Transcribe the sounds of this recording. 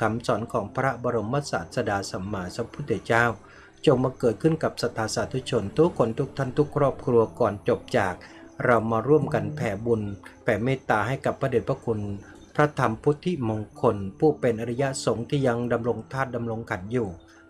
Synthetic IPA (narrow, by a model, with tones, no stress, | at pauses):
kʰa˩˦msɔː˩˦nkʰɔː˩˦ŋpʰɾa˦˥bɔː˧ɾo˧mːa˦˥t̪̚sa̰ː˨˩t̪̚sa˧daː˧sa˨˦mːaː˧sa˧˦pʰu˦˥t̪̚ʰːi˧˩˦t͡ɕaː˥˩w | t͡ɕo˨˧ŋmaː˧kɤː˨˩t̪̚kʰɯ˥˩nka˨˩p̚sa˧t̪ʰːaː˨˧˦saː˨˩˦t̪ʰu˧˥t͡ɕʰo˧nt̪u˧˦ɐkʰo˧nt̪ʰu˦˥k̚t̪ʰa˥˩nt̪ʰu˦˥˩kʰɾɔː˥˩p̚kʰɾu˧ɐkɔː˨˩nt͡ɕo˨˩p̚t͡ɕaː˨˩k̚ | ɾa˧wmaː˧ɾu˥˩əmka˧npʰɛː˨˩˦bu˧npʰɛː˨˩meː˥˩t̪aː˧ɦa˥˩jka˨˩pʰːɾa˧de˨˩t̪̚pɾa˧kʰu˧n | pʰɾa˦˥t̪ʰa˧mpʰuː˦˥t̪ʰi˦˥mo˧ŋkʰo˧npʰuː˥˩pe˧n˧ɾa˧ja˦˥ʔso˨˩˦ŋt̪ʰiː˥˩ja˧ŋda˧mɾo˧ŋt̪ʰaː˥˩t̪̚da˧mɾo˧ŋkʰa˨˩˦njuː˨˩